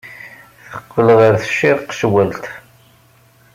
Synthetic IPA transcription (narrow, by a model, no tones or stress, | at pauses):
θəqːəlʁəɾθə̥ʃːɪɾqʃəwælt̪